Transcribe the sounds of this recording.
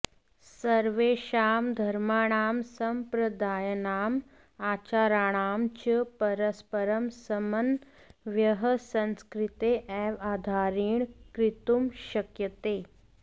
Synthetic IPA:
səɾʋeɕaːmd̪ʱəɾmaɽ̃aːmsəmpɾəd̪aːjənaːm | at͡ɕaːɾaːɽ̃aːmt͡ɕəpəɾəspəɾəmsəmən | ʋjəɦəsə̃nskɾit̪eʔɛʋaːd̪ʱaɾiːɳkɾit̪umɕəkjək̪eː

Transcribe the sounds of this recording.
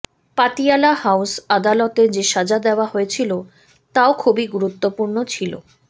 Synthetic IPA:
pat̪ialahawsad̪alɔt̪ed͡ʑeʃad͡ʑad̪eoaɦoet͡ɕʰilo | t̪aokʰubiɡuɾut̪ːopuɾnot͡ɕʰilo̰

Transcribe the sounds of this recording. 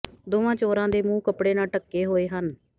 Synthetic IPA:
d̪oːʋãːt͡ʃoːɾãːd̪eːmũːkəpɽeːnaːʈəkːeːɦoːeːɦən

